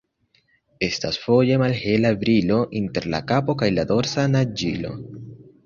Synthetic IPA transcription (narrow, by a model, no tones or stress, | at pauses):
e̞sta̰sfo̞je̞malhe̞labɾilo̞ʔinte̞ɾla̰kapo̞kajlado̞ɾsanad͡ʒḭlo̞̰